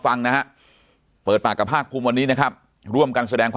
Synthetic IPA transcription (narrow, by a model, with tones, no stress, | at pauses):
fa˧ŋna˦˥ha˦˥ʔ | pɤː˨˩t̪̚paː˨˩kːa˨˩pʰːaː˥˩k̚pʰu˧mwa˧nːiː˦˥na˦˥kʰa˦˥˩p̚ | ɾu˥˩əmka˧nsa˧dɛː˧ŋkʰwaː